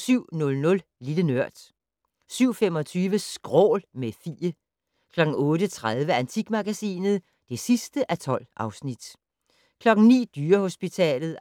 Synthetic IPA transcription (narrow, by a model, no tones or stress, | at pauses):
syʊ̰nɔ̽lnɔ̽l | lilənøɐ̰d̥ | syʊ̰fem̰ɒ̽t͡sʰyːʋəsɡ̥ʁɔ̰ːlmefḭːə | kʰlɒ̽ɡ̥ŋ̩ɔ̽ːɾət͡sʰʁað̞ˠʋəænt͡sʰiɡ̥mæɡ̥æsḭːnð̞̩ˠ | d̥e̝sisd̥əʔæt͡sʰɒ̽l̰ʔɑ̈ʊsnid̥ | kʰlɒ̽ɡ̥ŋ̩nḭːd̥yːɐho̝sb̥it͡sʰɛ̰ːlð̩ˠ